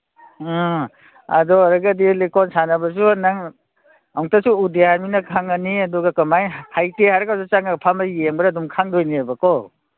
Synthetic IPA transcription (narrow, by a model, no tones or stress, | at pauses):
ɐdɔɾaɡadilekɔnsanɐbas̬unaŋ | awŋtasuudehaminakʰaŋɐniɐduɡakɐmajhajtehaɾakawsut͡ʃaŋapʰamajeŋbaɾadumkʰaŋdɔjniabakɔ